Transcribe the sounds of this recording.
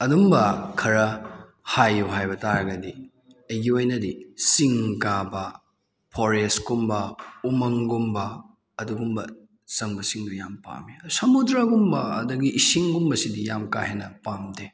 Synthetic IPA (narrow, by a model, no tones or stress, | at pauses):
ɐdumbɐkʰɐɾɐ | hajːuɦajbɐtaɾɐɡɐdi | ɐjɡiojnɐdisiŋkabɐ | pʰoɾeskumbɐumɐŋɡumbɐː | duɡumbɐ | sɐŋbɐsiŋdujampa̰miɐusɐmudɾaɡumbɐɐ̰dɐɡiʔːsiŋɡumbɐsidijamka̰henɐpamde